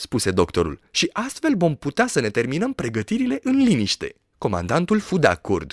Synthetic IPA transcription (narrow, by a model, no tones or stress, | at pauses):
spuse̞d̪o̞kt̪o̞ɾṵlʃiʔast̪fe̞lvo̞mput̪easəne̞t̪e̞rminəmpɾe̞ɡət̪iɾile̞ʔɨnliniʃt̪e̞̰ | ko̞ma̰nd̪ant̪ulfud̪a̰kord̪̥